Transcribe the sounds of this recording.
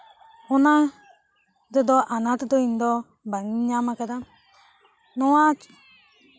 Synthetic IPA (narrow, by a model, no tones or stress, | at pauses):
ʊna | dedɔʔanatɪdoindɔ | baŋiɲamakada | nɔwat͡ʃ